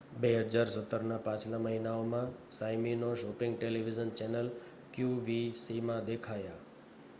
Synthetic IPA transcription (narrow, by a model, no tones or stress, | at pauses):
beɦəd͡ʒaɾsət̪ːəɾnapãt͡ʃlaməɦinaomãsajminoʃɔpɪ̃ŋɡʈeliʋid͡ʒənt͡ʃɛnəl | kjuʋisimãd̪ekʰaja